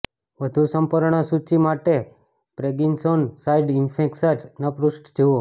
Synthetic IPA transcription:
ʋəd̪ʱusəmpəɾɳ̃əsut͡ʃimaʈe | pɾeɡinsonsaiɖinfʰẽksəɾnəpɾusʈd͡ʒʱeʋo

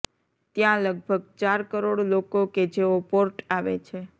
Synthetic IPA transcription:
t̪jãləɡ̚bʱəɡ̚t͡ʃaɾkəɾoɽlokoked͡ʒeopoɾʈaʋḛt͡ʃʰe

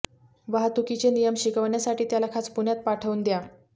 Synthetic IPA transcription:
ʋaɦat̪ukit͡ɕenijəmɕikəʋɳjasaʈiːt̪jalakʰat͡spuɳjat̪̚paʈʰəʋuːnd̪ja

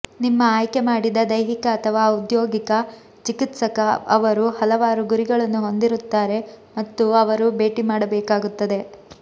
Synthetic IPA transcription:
nimːɐaːjkemaːɽid̪ɐd̪ɐjɦikɐːt̪ʰɐʋaːud̪joːɡikɐ | t͡ʃikit̪sɐkɐɐʋɐɾuhɐlɐʋaːɾuɡuɾiɡɐɭɐnːuɦo̞nd̪iɾut̪ːaːɾe̞mɐt̪ːuɐʋɐɾube̞ːʈimaːɽɐbɛːkaːɡut̪ːɐd̪e̞

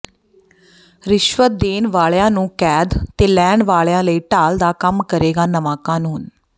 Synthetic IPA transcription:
ɾɪʃʋət̪̚d̪eːnʋaːɭjãːnũːkɛːd̪t̪eːlɛːɳɖʋaːɭjãːləiːʈaːld̪aːkəmkəɾeːɡaːnəmaːkaːnuːn

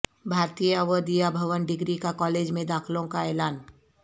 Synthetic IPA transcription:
bʱaːɾt̪ijəɐʋəd̪ijabʱɐʋənɖɪɡɾikakɔːleːd͡ʒmẽd̪aːkʰlõkaɛːlaːn

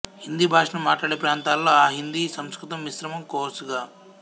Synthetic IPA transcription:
hind̪iːbʱaːʂɐɳɐmːaːʈlaːɽeːpɾaːnt̪aːlːo̞ːaːɦind̪isɐmskɾit̪ɐmʋisɾɐmɐmkoːɾsuɡaː

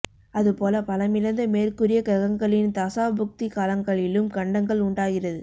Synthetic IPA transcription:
ɐðɯpoːlɐpɐlɐmɪlɐnd̪ɐmeːrkɯrɪjɐkɐɣɐŋɡɐɭɪnt̪ɐsaːbʊk̚t̪ɪkaːlɐŋɡɐɭɪlɯmkɐɳɖɐŋɡɐɭʊɳɖaːɣɪrɐðɯ

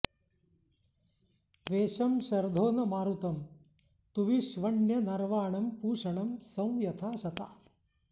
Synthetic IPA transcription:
t̪ʋeːʃɐmʃɐɾd̪ʱoːnɐmaːɾut̪ɐm | t̪uʋiʃʋɐɳjɐnɐɾʋaːɳɐmpuːʂɐɳɐmsɐ̃w̃jɐt̪ʰaːʃɐt̪a̰ː

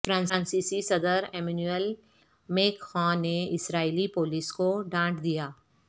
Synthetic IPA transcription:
fɾãːnãːnsiːsisɐd̪əɾeːmenuel | meːkxãːneɪsɾaːilipoːliskoɖãːʈd̪ijaː

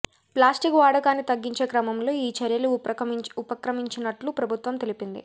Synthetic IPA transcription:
plaːsʈikʋaːɽɐkaːnːit̪ɐɡːiɲt͡ʃe̞ːkɾɐmɐmlo̞ːiːt͡ʃɐɾjɐluupɐkɾɐmiɲt͡ʃinɐʈlupɾɐbʱut̪ʋɐmt̪elipind̪ḭ

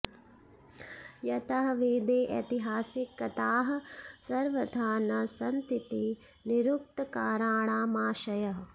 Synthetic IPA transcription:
jɐt̪ɐɦɐʋeːd̪eːʔɐ̰t̪iɦaːsikːɐt̪aːɦɐ̆sɐɾʋɐd̪ʱaːnɐsɐnt̪it̪i | niɾuk̚t̪ɐkaːɾaːɳaːmaːʃɐjɐɦɐ

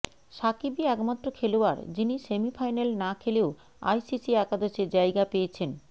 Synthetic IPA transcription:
ʃakibiɛkmat̪ːɾokʰeloa̰ɾd͡ʑinisemifʰajnelnakʰeleo | a̰jsisiakad̪oseɾd͡ʑajɡapejet͡ɕʰen

